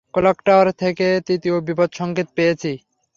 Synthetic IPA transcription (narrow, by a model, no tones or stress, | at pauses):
kolokʈaɾt̪ʰeket̪it̪iobipod̪ʃɔŋket̪pejet͡ɕʰi